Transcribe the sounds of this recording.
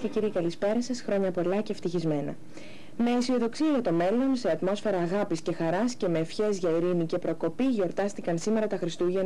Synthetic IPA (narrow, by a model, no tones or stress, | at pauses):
ceciɾiekɐlispe̞ɾɐsɐsxɾo̞ɲɐpo̞lɐce̞ft̪içizme̞nɐ̰ | me̞sio̞ðo̞ksiɐʝɐt̪ome̞lo̞nse̞ɐt̪mo̞sfe̞ɾɐːɣɐpisce̞xɐɾɐsce̞me̞ːfçe̞zʝɐiɾinice̞pɾo̞ko̞piʝo̞ɾt̪ɐst̪ikɐnsime̞ɾɐt̪ɐxɾist̪uʝen